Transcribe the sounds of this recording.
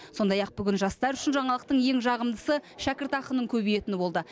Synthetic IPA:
so̞nd̪ɑjɑq̚bʏɡʲɪnʒɑst̪ɑɾʏʃɪnʒɑɴɑlˠəq̚t̪əɴje̞ŋʒɑʁəmd̪əsəʃækʲɪɾt̪ɑqənːəɴkʲʰɵbije̞t̪ɪnɪbo̞lˠd̪ə

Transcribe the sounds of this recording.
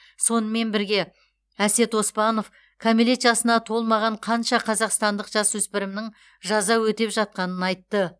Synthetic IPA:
so̞nəme̞nbɪɾɡʲe̞ | æse̞t̪wo̞spɑno̞f | kʰamilet̪ʒɑsənɑt̪ʰo̞lˠmɑʁɑɴqʰɑnʃɑqʰɑzɑqst̪ɑnd̪əqʒ̥ɑswɵspɪɾɪmnɪŋ | ʒɑzɑwɵt̪e̞pʒɑt̪̚qɑnənɑjt̪ːə

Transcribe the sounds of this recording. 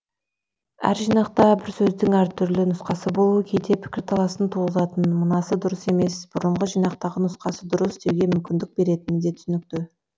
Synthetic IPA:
æ̰ɾʒijnɑq̚t̪ɑbɪɾsɵzd̪ɪŋæɾt̪ʰʏɾlɪnʊsqɑsəbo̞lˠuəkʲʰejd̪e̞pʰɪ̥kʲɪɾt̪ʰɑlˠɑsənt̪ʰuʁəzɑt̪ənmʊnɑsəd̪ʊɾəse̞me̞sb̥ʊɾəɴʁəʒijnɑq̚t̪ɑʁənʊsqɑsəd̪ʊɾəsd̪e̞wɡʲe̞mʏmkʲɪnd̪ɪk̚be̞ɾe̞t̪ɪnd̪e̞t̪ʰʏsɪnɪk̚t̪ɪ

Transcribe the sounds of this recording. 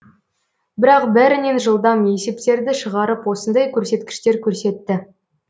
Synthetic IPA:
bɪɾɑqbæɾɪne̞nʒəlˠd̪ɑmje̞se̞pt̪e̞ɾd̪ɪʃəʁɑɾəpwo̞sənd̪ɑjkʲʰɵɾse̞t̪kʲɪ̥ʃt̪e̞ɾkʲʰɵɾse̞t̪ːɪ

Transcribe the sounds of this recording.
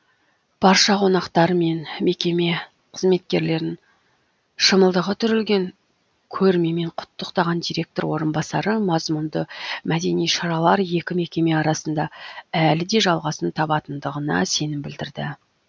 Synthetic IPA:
b̥ɑɾʃɑqʰo̞nɑqt̪ɑɾme̞nme̞kʲe̞me̞ | qʰəzme̞t̪̚kʲe̞ɾle̞ɾɪŋ | ʃəməlˠd̪əʁət̪ʰʏɾɪlɡʲe̞ŋ | kʲʰɵɾme̞me̞ɴqʰʊ̥t̪ːəqt̪ɑʁɑnd̪ijɾʲe̞k̚t̪o̞ɾwo̞̰ɾənbɑsɑɾəmɑzmʊnd̪əmæd̪e̞nijʃɑɾɑlˠɑɾje̞kʲɪme̞kʲe̞me̞ɑɾɑsənd̪ɑælɪd̪e̞ʒɑlˠʁɑsənt̪ʰɑbɑt̪ənd̪əʁənɑ̰se̞nɪmbɪld̪ɪɾd̪ɪ̰

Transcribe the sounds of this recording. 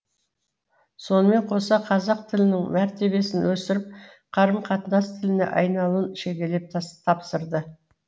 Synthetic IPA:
so̞nəme̞ɴqʰo̞sɑqʰɑzɑq̚t̪ʰɪlɪnɪŋmæɾt̪e̞βe̞sɪnwɵsɪɾɪp̚ | qʰɑɾəmqʰɑt̪ənɑst̪ʰɪlɪnḛʔɑ̰jnɑlˠuənʃe̞ɡʲe̞le̞p̪̚t̪ʰɑpsəɾd̪ə

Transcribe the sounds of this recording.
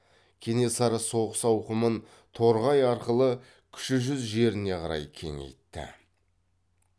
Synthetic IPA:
kʲʰe̞ne̞sɑɾəso̞ʁəsɑwqəmən | t̪ʰo̞ɾʁɑjɑɾqəlˠə | kʲʰʏ̥ʃɪʒʏzʒe̞ɾɪne̞qʰɑɾɑ̰jkʲʰe̞̰ŋḛjt̪ːɪ̰

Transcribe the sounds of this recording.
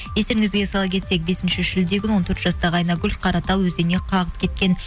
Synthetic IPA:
jest̪e̞ɾɪŋɪzɡʲe̞sɑlˠɑp̚kʰʲe̞t̪se̞k̚be̞sɪnʃɪʒɪld̪eɡʲɪnwo̞nt̪ʰɵɾt̪ʒɑst̪ɑʁəɑjnɑɡʲʏlfʲqʰɑɾɑt̪ɑlˠwɵzene̞qʰɑʁəp̚kʲʰe̞t̪kʲe̞n

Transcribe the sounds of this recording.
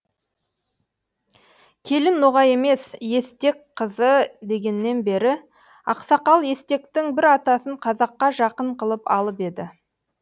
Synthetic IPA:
kʲʰe̞lɪnːoʁɑje̞me̞sje̞st̪e̞kqʰəzəd̪e̞ɡʲe̞nːe̞nbe̞ɾɪ | ɑ̰qsɑqɑlˠe̞st̪e̞kt̪ɪŋbɪɾɑt̪ɑsəɴqʰɑzɑqːɑʒɑqəɴqʰəlˠəpɑ̰lˠəpe̞d̪ɪ

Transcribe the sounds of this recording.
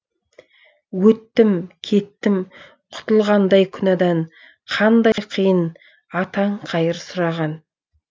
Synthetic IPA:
wɵt̪ːɪmkʲʰe̞t̪ːɪm | qʰʊ̥t̪əlˠʁɑnd̪ɑjkʲʰʏnɑd̪ɑɴ | qʰɑnd̪ɑjqʰijən | ɑt̪ɑɴqʰɑjəɾsʊɾɑʁɑn

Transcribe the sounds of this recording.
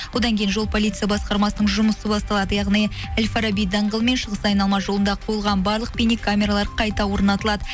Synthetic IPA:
wod̪ɑŋkʲʰe̞jnʒo̞lˠpʰoijt̪sɨjɑbɑsqɑɾmɑsənəɴʒʊməsəbɑst̪ɑlˠɑd̪əjɑʁnij | ælʲfaɾabijd̪ɑɴʁəlˠme̞nʃəʁəsɑjnɑlˠmɑʒo̞lˠənd̪ɑqʰojəlˠʁɑnbɑɾlˠəq̚penikʰːamʲe̞ɾalˠɑɾqʰɑjt̪ɑwo̞ɾnɑt̪əlˠɑd̪ə

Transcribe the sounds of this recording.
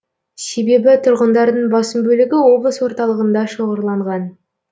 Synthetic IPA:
se̞be̞bɪt̪ʰʊɾʁənd̪ɑɾd̪əɴbɑsəmbɵlɪɡʲɪwo̞blˠəswo̞ɾt̪ɑlˠəʁənd̪ɑʃo̞ʁəɾlˠɑɴʁɑn

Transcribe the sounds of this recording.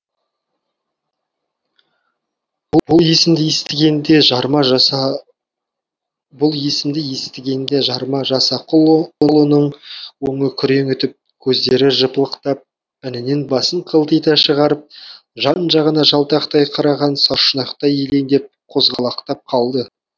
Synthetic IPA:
ʊlˠje̞sɪmd̪ɪje̞st̪ɪɡʲe̞nd̪eʒɑɾmɑʒ | bʊlˠje̞sɪmd̪ɪje̞st̪ɪɡʲe̞nd̪e̞ʒɑɾmɑʒɑsɑqlˠəlˠənəɴwɵŋəkʲʰʏɾe̞ŋʏt̪ɪp̚kʲʰɵzd̪e̞ɾɪʒəpəlˠəqt̪ɑp̚ | ɪnɪne̞nbɑsəɴqʰəlˠt̪əjt̪ɑʃəʁɑɾəp̚ | ʒɑnʒɑʁənɑʒɑlˠt̪ɑqt̪ɑjqʰɑɾɑʁɑnsɑʃənɑqt̪ɑjele̞nd̪ep̚qʰo̞zʁɑlˠɑqt̪ɑp̚qʰɑlˠd̪ə

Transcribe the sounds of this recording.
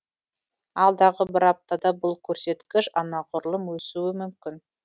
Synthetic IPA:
ɑlˠd̪ɑʁəbɪɾɑp̚t̪ɑd̪ɑbʊlˠkʲʰɵɾse̞t̪kʲɪʃɑnɑqʰʊɾlˠəmwɵsuwɪmʏmkʲɪn

